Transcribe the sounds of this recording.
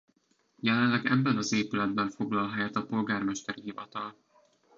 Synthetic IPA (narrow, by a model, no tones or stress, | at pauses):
jɛlɛnlːɛɡɛ̰bːɛnɒzeːpylɛd̪̚bɛɱfo̞ɡlɒlɦɛjɛt̪ɒpo̞lɡaːrmɛʃt̪ɛɾiɦivɒt̪ɒl